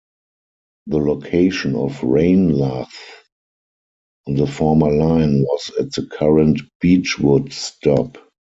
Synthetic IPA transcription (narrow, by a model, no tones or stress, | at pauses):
ðəlɔkʰeɪʃɔ̃nɔfɹẽɪ̃nlaθ | ɔ̃nðəfɔmə˞lãɪ̃nwɔzæt̚ðəkʰaɹə̃ntb̥iːt͡ʃwʊdstɔp